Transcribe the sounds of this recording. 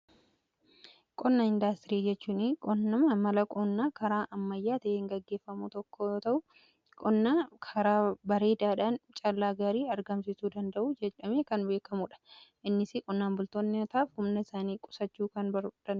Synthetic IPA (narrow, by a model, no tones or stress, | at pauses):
kʼɔnːaɪnd̪ast̪ɪɾiːd͡ʒɛt͡ʃːuːnɪkʼɔnːɐmɐmɐlɐkʼɔnːaːkɐɾaːʔɐmːɐjːaːt̪ɐʔeːŋɡɐɡːe̞ːfːɐmut̪ɔkːoːt̪ɐʔʊ | kʼɔnːakʰɐɾaːbɐɾe̞ːd̪aːᶑaːnt͡ʃʼɐlːaːɡaːɾiːɐɾɡɐmsɪsuːd̪ɐnd̪ɐʔuːd͡ʒɛt͡ʃɐmeːkɐnbe̞ːkɐmuᶑɐ̥ʔɪnːɪsɪkʼɔnːaːnbʊlt̪onːɪt̪aːfhʊmnɐɪsaːniːkʼʊ̥sɐt͡ʃːuːkɐnbɐd̪ɐ